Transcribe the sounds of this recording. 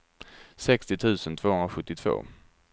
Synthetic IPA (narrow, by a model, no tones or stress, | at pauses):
sɛkst̪ɪt̪ʰʉ̟ːsənt̪ʰv̥oːhɵnɾaɧɵt̪ːɪt̪ʰv̥o̰ː